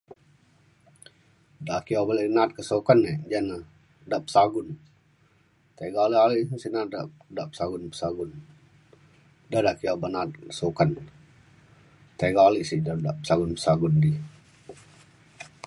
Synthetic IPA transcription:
dakijabalɛʔənat̪̚kəsokanːed͡ʒanə | daʔpə̥saɡʊn | t̪eɡaliʔaliʔsinata | daʔpə̥saɡunpə̥saɡʊn | dadaʔkiabənat̪̚kə̥sokan | t̪eɡaliʔsiʔdadaʔpə̥saɡʊnpəsaɡundi

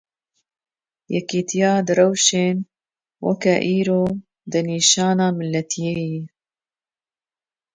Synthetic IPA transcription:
jɛkiːt̪ʰijɑːd̪ɨrɛwʃeːn | wʔɐ̰kɛʔiːɾoː | d̪ɨniːʃɑːnɑːmɨlːɛt̪ʰijeːji

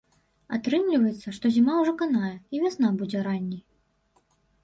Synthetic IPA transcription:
a̰t̪ɾɨmlʲivɐjɛt̪sːɐʂt̪ɔzʲimawʐɔkanajɛivʲasnabud͡zʲɛɾanʲːij

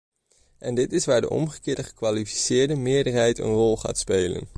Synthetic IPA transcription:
ʔɛndɪtɪsʋaːɹdə̰ʔɔ̰mχəkɪːɹdəχə̥kʋaːlifi̥sɪːɹdəmɪːɹdəɹɦɛjtə̰nrɔlˠχa̰ːtspejlə̰n

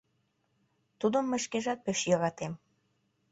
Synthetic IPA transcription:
t̪ud̪əmːĕʃkeʒɑt̪̚peʃjɤɾɑt̪em

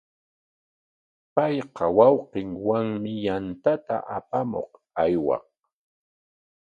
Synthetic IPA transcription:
pɑjqɑwɑwqɪŋwaŋmɪjant̪at̪a̰ʔapamo̰q | ajwɑ̰q

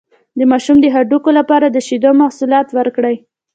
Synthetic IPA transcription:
d̪əmɑʃumd̪əɦaɖukolapɑɾad̪əʃid̪omahsulɑt̪wəɾkɽəj

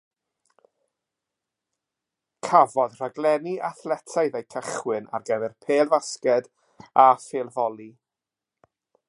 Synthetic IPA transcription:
kʰavɔdr̥aɡlˠɛniʔaθlɛtʰajðejkʰəχwɪna̰rɡəvɛrpʰeːlˠvaskɛd | afeːlˠvɔlˠi

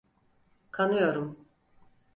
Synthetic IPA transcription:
kʰanujo̞ɾum

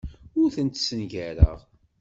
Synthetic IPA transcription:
ʊɾθənt̪sənʝæɾə̰ʁ

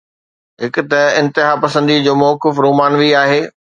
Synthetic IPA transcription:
ɦɪkʊ̆t̪ɐɪ̃nt̪ɪɦaːpɐsə̃nd̪id͡ʑoːmɔːkɪfɾoːmaːnʋiaːɦeː

